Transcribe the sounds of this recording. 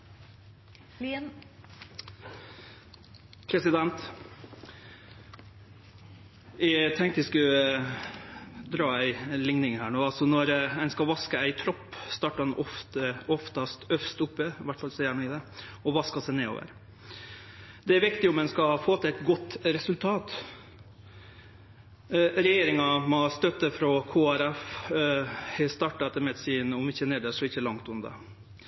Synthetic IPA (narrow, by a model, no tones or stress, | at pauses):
pʰɾɛsɪd̪ɛnt̪ | ɛt̪ʰɛŋkt̪əɛɪskʉ | d̪ɾɑːæɪlɪŋnɪŋhæːɳoːɑlsɔnɔɾænskɑʋɑskəæɪt̪ʰɾɔpːst̪ɑːʈːəɑnɔft̪əɔft̪ɑst̪œfst̪ʊpːəɪʋæʈːfɑlsɛjæɳoːɪd̪ɛɔʋɑskɑsɛɪneːo̰ːʋə̰ɾ | d̪ɛæɾʋɪkt̪ɪɔmɛnskɑfoːt̪æt̪ɡɔt̪ːɾɛsʉlt̪ʰɑːt̪ | ɾɛjeːɾɪŋɑmɔst̪œt̪ːəfɾɔkʰoːæɾɛf | st̪ɑːʈɑt̪ːəmɛd̪siːnɔmɪçːəneːd̪əʂɔɪçːəlɑŋt̪ʉnd̪ɑ̰